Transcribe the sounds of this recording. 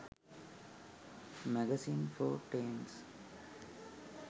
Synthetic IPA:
mɛɡɛsĩːnfoːʈẽːms

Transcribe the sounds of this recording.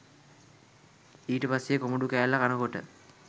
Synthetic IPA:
iːʈəpasːekomoɖukæːlːakanəkoʈə̰

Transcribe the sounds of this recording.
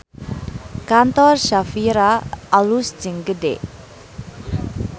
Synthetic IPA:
kant̪ɔrʃafiɾaːlusd͡ʒəŋɡəde

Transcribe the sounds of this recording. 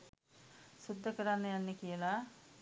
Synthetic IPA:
sud̪ʱːəkəɾanːəjanːəkijəla

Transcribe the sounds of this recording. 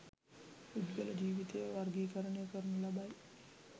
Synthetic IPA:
ud̪ʋelɐd͡ʒiːʋit̪ejʋaɾɡiːkəɾəɳejəkəɾunulabaj

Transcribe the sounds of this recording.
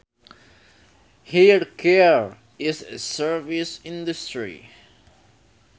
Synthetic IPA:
hiɹkʰɛɹ | ɪzɨsɜ˞visɪ̃ndɨstɹḭ

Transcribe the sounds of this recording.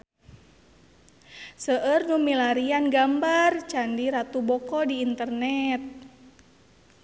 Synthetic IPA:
səʔərnumilaɾianɡambart͡ʃandiɾat̪ubɔkɔdiːnt̪ərnɛt̪̚

